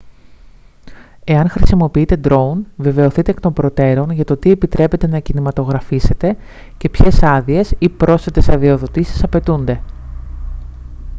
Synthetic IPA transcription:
e̞ɐŋxɾisimo̞piit̪e̞d̪ɾo̞unve̞ve̞o̞θit̪ekt̪o̞mbɾo̞t̪e̞ɾo̞nʝɐt̪o̞t̪ie̞pit̪ɾe̞pe̞t̪e̞nɐcinimɐt̪o̞ɣɾɐfise̞t̪e̞ | ce̞pçe̞sɐðie̞sipɾo̞sfe̞t̪e̞sɐðio̞ðo̞t̪isi̥sɐpe̞t̪und̪e̞

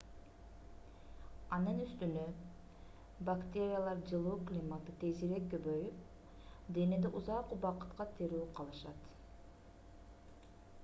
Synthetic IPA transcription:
ɑnɯnyst̪ynø | bakt̪ʲe̞ɾʲɪjalˠɑɾd͡ʒɯlˠuːklʲimat̪ɯt̪ʰeziɾekːøβøjyp | d̪e̞ned̪eʔuzɑquβɑqɯ̥t̪qɑt̪ʰeɾuːqʰɑlˠɯʃɑt̪

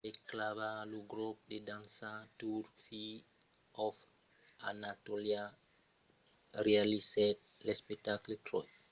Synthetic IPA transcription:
ɗɛklavaluɡɾɔp̚ɗedãnsãtuɾfi | ʔɔf | ʔa̰natolia | rialisɛt̚lɛspɛk̚takletɾɔ̰j

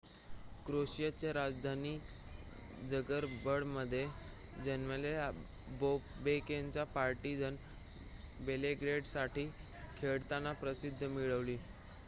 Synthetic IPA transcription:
kɾoɕjat͡ɕjaɾad͡zd̪ʱaniː | d͡zəɡəɾbəɽməd̪ʱːje | d͡ʑənʋəle | bobekeɲt͡ɕjapaɾʈid͡zən | beleɡɾeɽsaʈiː | kʰeɭt̪anapɾəsid̪ʱːəmiɭəʋliː

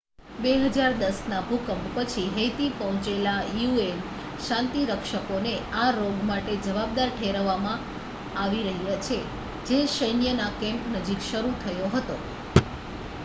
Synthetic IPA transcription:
beɦəd͡ʒaɾd̪əsnabʱukəmppət͡ʃʰiɦejt̪ipəɦɔ̃t͡ʃelajuen | ʃãnt̪iɾəkʃəkoneaɾoɡmaʈed͡ʒəʋab̚d̪aɾʈʰeɾʋamã | aʋiɾəɦjat͡ʃʰe | d͡ʒeʃəjnjənakɛ̃mpnəd͡ʒikʃəɾut̪ʰəjoɦət̪o

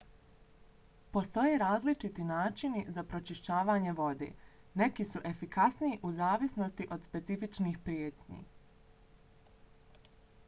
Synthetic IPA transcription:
po̞st̪o̞jeːɾaːzlit͡ʃit̪inaːt͡ʃinizapɾo̞t͡ʃiʃt͡ɕaːʋaːɲe̞ʋo̞d̪ḛː | ne̞kisuʔe̞fikasniiʔuzaːʋisno̞st̪iʔo̞d̪spe̞t̪sifit͡ʃniːxpɾjeːt̪ɲḭː

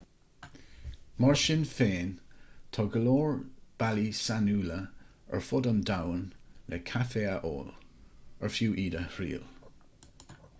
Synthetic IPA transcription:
mɔɹʃɪnfeːntʰɔɡəloːɹb̥alisanuːlə | ə̰ɹfʊdəmdawnlʔɛ̰kʰafeːaʔo̰ːləɹfjuːʔiːdəhɹḭːl

